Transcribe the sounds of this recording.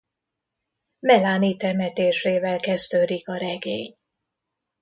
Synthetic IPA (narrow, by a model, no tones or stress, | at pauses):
mɛlaːniːt̪ɛmɛt̪eːʃeːvɛlkɛzt̪øːd̪ikɒɾɛɡeːɲ